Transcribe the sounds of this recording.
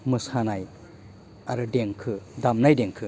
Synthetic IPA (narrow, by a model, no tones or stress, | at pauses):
mɯsanaj | aɾɯdeŋkʰɯdamnajdeŋkʰɯ